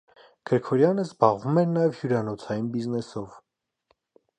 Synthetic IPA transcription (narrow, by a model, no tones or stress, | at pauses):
ɡ̥əɾkʰɔɾjɑnəzbɑʁvumɛɾnɑjɛvhjuɾɑnɔt͡sʰɑjinbiznɛsɔv